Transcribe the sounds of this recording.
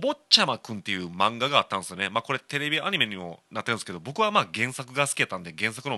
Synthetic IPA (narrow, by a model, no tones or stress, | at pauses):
bot͡ɕamakɯ̟̃nt̪e̞jɯ̟mãŋɡaɡaːt̪ːãnd̪sɨjo̞nemaːko̞ɾe̞t̪e̞ɾe̞bʲiaɲ̟ime̞ɲ̟imo̞̰nat̪ːeɾɯ̟̃nske̞d̪o̞bo̞kɯ̟βamaːɡẽ̞ɰ̃sakɯ̟ɡasɨ̥kʲiat̪ːãnd̪eɡẽ̞s̬akɯ̟no